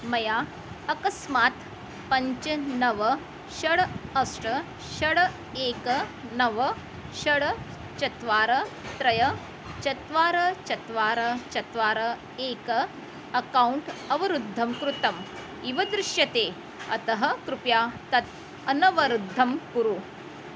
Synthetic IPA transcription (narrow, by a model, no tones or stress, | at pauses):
mɐjaː | ɐkɐsmaːt̪ | pɐɲt͡ʃɐnɐʋɐ | ʃɐɽɐsʈɐ | ɕɐɽɐ | eːkɐnɐʋɐ | ʃɐɽɐ | t͡ʃɐt̪ʋaːɾɐt̪ɾɐjɐ | t͡ʃɐt̪ʋaːɾɐt͡ʃɐt̪ʋaːɾɐt͡ʃɐt̪ʋaːɾɐ | eːkɐ | ɐkawuɳʈɐʋɐɾud̪ʱːɐmkɾut̪ɐm | iʋɐd̪ɾɪʃjɐt̪eː | ɐ̰t̪ɐɦɐkɾupjaːt̪ɐt̪ | ɐnɐʋɐɾud̪ʱːɐmkuɾu